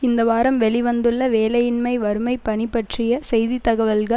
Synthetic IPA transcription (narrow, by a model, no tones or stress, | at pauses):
ɪnd̪ɐʋaːɾɐmʋɛɭɪʋɐnd̪ɯɭːɐʋeːlɐjɪnmɐɪʋɐɾɯmɐɪpːɐɳɪpːɐʈrɪjɐsɛjðit̪ːɐɣɐʋɐlɣɐ